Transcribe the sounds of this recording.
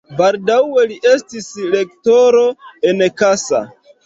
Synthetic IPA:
baldawe̞liʔe̞stisle̞k̚to̞ɾo̞enkasa̰

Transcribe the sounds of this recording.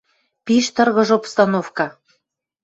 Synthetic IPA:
piʃt̪ɤrɣɤ̆ʒopst̪ɑnofkɑ

